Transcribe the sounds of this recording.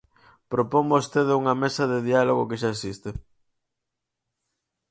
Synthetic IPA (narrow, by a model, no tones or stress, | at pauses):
pɾopoŋbost̪eðuŋɐmesɐðeðialoɣokeʃ̬aesist̪e